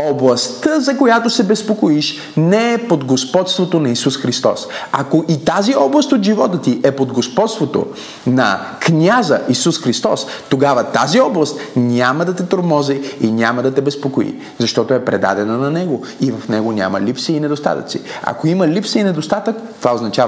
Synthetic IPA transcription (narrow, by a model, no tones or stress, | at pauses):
oblˠɐst̪əzɐkojat̪osɛbɛspokoiʃ | nɛɛpod̪ɡospɔt̪st̪vot̪onɐisusxɾist̪ɔ̰sɐkoʔit̪aziɔblˠɐst̪ot̪ʒivɔt̪ət̪iʔɛpod̪ɡospɔt̪st̪vot̪o̰ | nɐ̰knʲazə̰ʔisusxɾist̪ɔst̪oɡavət̪aziɔblˠɐst̪nʲaməd̪ɐt̪ɛt̪oɾmɔziinʲaməd̪ɐt̪ɛbɛspokoḭ | zɐʃt̪ɔt̪oɛpɾɛd̪a̰d̪ɛnənɐnɛɡo | ivɐfnɛɡonʲa̰mɐ̰lipsiinɛd̪ost̪a̰t̪ɐ̰t̪sḭɐ̰koiməlipsəinɛd̪ost̪at̪əkt̪ovaoznɐt͡ʃav